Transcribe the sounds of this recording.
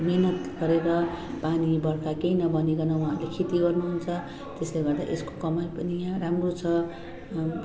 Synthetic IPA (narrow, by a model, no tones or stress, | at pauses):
nenʌt̪ɡʌɾeɾʌpanibʌrkakeinʌbʌneɡʌnʌwuɦãːɾulekʰit̪iɡʌrnuɦunt͡sʰʌ | t̪esleɡʌrd̪a̰ʔesko̥kʌmaljpʌnijãramrot͡sʰʌ